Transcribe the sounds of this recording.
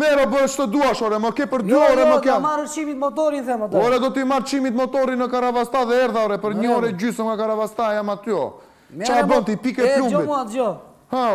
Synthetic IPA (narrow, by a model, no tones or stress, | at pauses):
mɛɾɔbəɛt͡ʃt̪əd̪uaʃɔɾɛməkɛpəɾd̪yɔɾɛməkamaɾt͡ʃimit̪mɔt̪ɔɾinθɛmt̪ɔɾɛd̪ɔt̪imaɾt͡ʃimit̪mɔt̪ɔɾinəkaɾavast̪aðɛɛɾðaɔɾɛpəɾɲəɔɾɛd͡ʑysəmɡakaɾavast̪ajamat̪yɔ̰ | t͡ʃabɔnt̪ipikɛflumbitad͡ʒɔ | ha